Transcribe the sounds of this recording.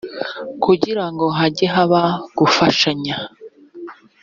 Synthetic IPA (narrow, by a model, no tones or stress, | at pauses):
kuɟiɾaŋɡo̞ɦaɟeɦaβaɡ̥ufaʃaɲa